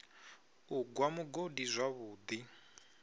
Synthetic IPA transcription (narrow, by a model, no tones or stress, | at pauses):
uɡwamuɡodizʷaβuːd̪i